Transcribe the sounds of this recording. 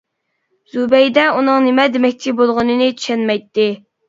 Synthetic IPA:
z̥ubɛjd̪ɛunɨŋnemɛd̪emɛk̚ʲt͡ʃʰibolˠʁʊnɨnɨt͡ʃ̪ʰy̥ʃɛnmɛjt̪ːɪ

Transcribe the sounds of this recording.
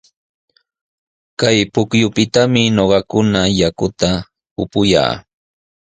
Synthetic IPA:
kajpʊkjʊpɪt̪amɪɲoɢɑkʊnajakʊt̪a | ʊpʊja̰ː

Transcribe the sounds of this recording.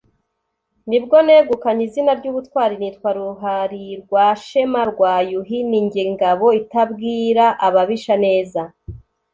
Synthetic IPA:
nib̚ɡo̞ne̞ɡukaɲizinaɾɟuːβutwaːɾinitwaɾuɦaɾiɾɡwaʃe̞maɾɡwaːjuɦiniɲɟiŋɡaβo̞itabɡiːɾaʔaβaβiʃane̞ːza

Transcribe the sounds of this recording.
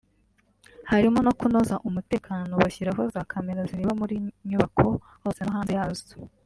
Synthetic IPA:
haɾimo̞no̞kuno̞zaʔumute̞ːkaːnonoβaçiɾaɦozaːkʰameɾaziɾeβamuɾiɲuβakʰo̞ | hosenaɦaːnzejazu̥

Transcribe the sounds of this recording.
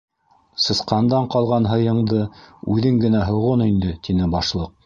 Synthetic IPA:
sɤ̆sqɑnd̪ɑɴqɑlˠʁɑnɦɤ̆jɤ̆ɴd̪ɤʉðɘŋɡɘ̆næɦŏʁonind̪ɘt̪inɘbɑʃlˠɤq̚

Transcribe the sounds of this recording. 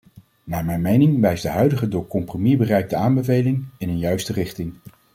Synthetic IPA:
naːɹmɛjnmejnɪŋʋɛjzdəɦœɥdəχədʊːɹkɔmpromibərɛjk̚dəaːmbəvejlɪŋɪnənjœɥstərɪχtɪŋ

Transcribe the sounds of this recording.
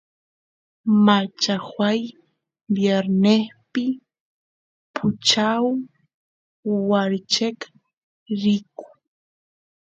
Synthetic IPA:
mat͡ʃahwaj | bjeɾneχpɪ | pʰʊt͡ʃaw | aɾt͡ʃek | ɾɪkʊ̥

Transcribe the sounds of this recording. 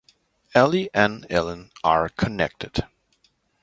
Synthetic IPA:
ɛlˠiʔɨ̃nɛlˠə̃nə˞kʰɨnɛ̰k̚tɨd̥

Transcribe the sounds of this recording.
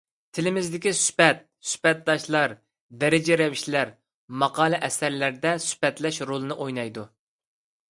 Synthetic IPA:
t̪ʰɪlɪmɪzd̪ɪkʲisy̥pɛt̪̚sy̥pɛt̪̚d̪ɑʃlˠɑɾ | d̪ɛɾɪd͡ʒɛɾɛviʃlæɾ | mɑqɑːlˠɨʔɛsæɾlæɾd̪ɛsy̥pɛt̪lɛʃɾolˠɨnɨʔojnɑjd̪u

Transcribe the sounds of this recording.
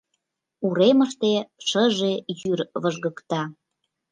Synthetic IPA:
uɾeməʃt̪eʃəʒejyrβəʒɣəkt̪ɑ

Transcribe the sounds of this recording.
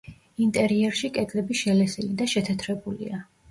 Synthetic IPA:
int̪ʼɛɾiɛɾʃikʼɛɡ̪ʼlɛbiʃɛlɛsilid̪aʃɛt̪ʰɛt̪ʰɾɛbulḭa

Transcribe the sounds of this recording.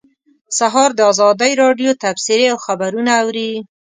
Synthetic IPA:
saɦɑɾd̪əɑzɑd̪əjɾɑɖjot̪absɪɾeawxabaɾunaːwɾi

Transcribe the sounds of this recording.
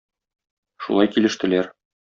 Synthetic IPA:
ʃṵlˠɑjkilɘ̆ʃt̪ɘ̆læɾ

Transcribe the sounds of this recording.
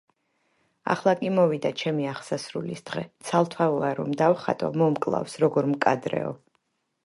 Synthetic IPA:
a̰χlˠakʼimɔvid̪at͡ʃʰɛmiaχsasɾulisd̪̥ʁɛt̪sʰalˠt̪ʰwaaɾɔmd̪avχa̰t̪ʼɔ̰mɔmkʼlˠa̰fsɾɔɡɔɾmkʼad̪ɾɛ̰ɔ̰

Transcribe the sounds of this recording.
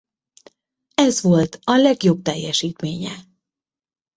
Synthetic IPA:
ɛzʋolt̪ʰɒlɛɡjo̞b̚t̪ɛjːɛʃiːt̪meːɲɛ

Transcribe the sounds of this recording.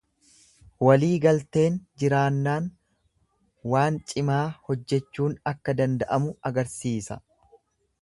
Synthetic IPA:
wɐliːɡɐlt̪e̞ːnd͡ʒɪɾaːnːaːn | waːnt͡ʃʼɪmaːhɔd͡ʒːɛt͡ʃːuːnɐkːɐd̪ɐnd̪ɐʔɐmʊɐɡɐɾsiːsɐ̰

